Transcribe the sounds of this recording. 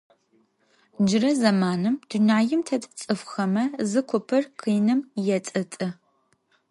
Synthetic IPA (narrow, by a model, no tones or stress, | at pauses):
d͡ʒɪrɐzɐmaːnɨmd̥unaːjɪmtʰɐtʼt͡sʼɨfxɐmɐzɨkʷʰʊpʰɨrqʰiːnɨmjɛt͡sʼɨtʼɨ